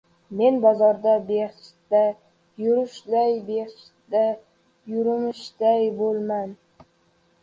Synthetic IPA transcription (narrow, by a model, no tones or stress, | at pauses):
menbɑzɒɾd̪abeχʃt̪a | jʊɾʊʃlajbeχʃ | t̪a | jʊɾʊmɪʃd̪ajbolˠman